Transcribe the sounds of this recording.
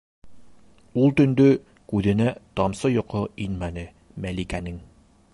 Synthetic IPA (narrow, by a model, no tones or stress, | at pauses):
ulˠt̪ɵ̆nd̪ɵ | kʉðɘ̆næt̪ɑmsɤjŏqɤinmænɘ | mælikænɘŋ